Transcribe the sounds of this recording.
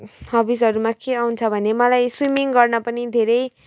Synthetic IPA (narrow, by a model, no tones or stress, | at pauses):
hʌbisɦʌɾumãkeawnt͡sʰʌbʱʌnemʌlajswimiŋɡʌrnʌpʌnid̪ʱeɾʌj